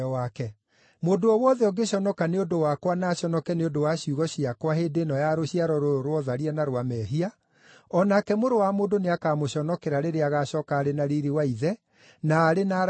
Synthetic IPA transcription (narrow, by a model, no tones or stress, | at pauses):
ɔakɛ | moːdoɔwɔðɛɔɡeɕɔnɔkaneodowakwanaːɕɔnɔkɛneondowaɕiuɣɔɕiakwaheːdeːnɔjaɾoɕiaɾɔɾooɾwɔðaɾiɛnaɾwamɛːɦia | ɔnakɛmoɾowamoːdoneakaːmoɕɔnɔkeɾaɾeɾeaɣaɕɔkaːɾenaɾiɾiwaiðɛ | naːɾena